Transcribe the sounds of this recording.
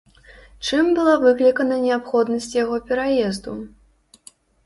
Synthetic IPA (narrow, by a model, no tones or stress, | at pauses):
t͡ʂɨmbɨlˠavɨklʲikɐnɐnʲɛapxɔd̪nɐsʲt͡sʲjaɣɔpʲɛɾajɛzd̪u